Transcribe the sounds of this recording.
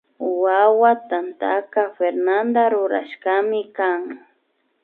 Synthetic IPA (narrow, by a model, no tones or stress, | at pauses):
wawat̪ant̪akafeɾnand̪aɾʊɾa̰ʃkamɪkaŋ